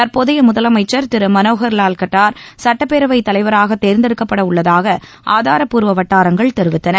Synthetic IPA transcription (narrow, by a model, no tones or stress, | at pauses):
t̪ɐɾpoːðɐjɐmʊðɐlɐmɐɪt͡ʃːɐɾt̪ɪɾɯmːɐnoːɣɐɾlaːlkɐʈːaːɾsɐʈːɐpːeːɾɐʋɐɪt̪ːɐlɐɪʋɐɾaːɣɐt̪ːeːɾnd̪ɪɾɯkːɐpːɐɽɐʊɭːɐðaːɣɐ | ʔaːðaːɾɐpuːɾʋɐʋɐʈːaːɾɐŋɡɐɭt̪ɛɾɯʋɪt̪ːɐnɐɾ